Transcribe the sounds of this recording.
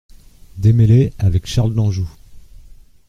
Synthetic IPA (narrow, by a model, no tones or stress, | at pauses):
d̪emeleavɛkʃaʁld̪ɑ̃ʒu